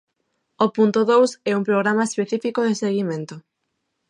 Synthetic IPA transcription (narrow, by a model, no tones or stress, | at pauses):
opunt̪ʊðowsɛumpɾoɣ̞ɾamaespeθifikoðɪseɣimẽnt̪ʊ